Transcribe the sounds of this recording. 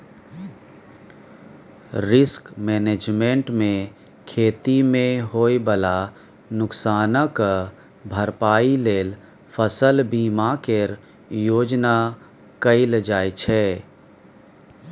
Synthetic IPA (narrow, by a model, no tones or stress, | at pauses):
ɾɪskmɛːneːd͡ʒmẽɳʈmẽ | kʰeːt̪imẽɦoːibəla | nʊksaːnək | bʱəɾpaːileːl | pʰəsəlbiːmakeɾ | joːd͡ʒna | kəɪld͡ʒaːit͡ʃʰɛː